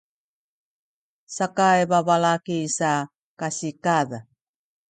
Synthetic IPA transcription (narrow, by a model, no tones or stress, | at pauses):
sakajbabalakisa | kasikaða